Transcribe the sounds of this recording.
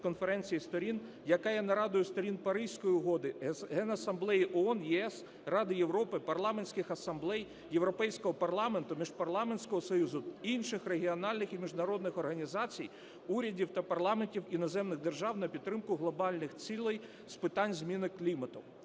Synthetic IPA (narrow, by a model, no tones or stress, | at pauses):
kɔnfeɾɛnʲt͡sʲijist̪ɔɾʲin | jɐkɑjɛnɐɾɑd̪ʊjʊst̪ɔɾʲinpɐɾɪsʲkɔjiʊɦɔd̪ɪɦɛnɐsɐmblˠɛjiʔɔɔnjɛɛs | rɑd̪ɪjewɾɔpɪpɐrlˠɑmenʲsʲkɪxɐsɐmblˠɛjːewɾɔpɛjsʲkɔɦɔpɐrlˠɑme̞nt̪ʊmʲiʒpɐrlˠɑmenʲsʲkɔɦɔsɔjuzʊinʃɪxreɦʲiɔnɑlʲnɪximʲiʒnɐɾɔd̪nɪxɔrɦɐnʲizɑt͡sʲij | uɾʲɐdʲiwt̪ɐpɐrlˠɑmenʲtʲiwinɔzɛmnɪɣd̪erʒɑwnɐpʲid̪t̪ːɾɪmkʊɦlˠɔbɑlʲnɪxt͡sʲilˠɪj | spɪt̪ɑnʲzmʲinɪklʲimɐt̪ʊw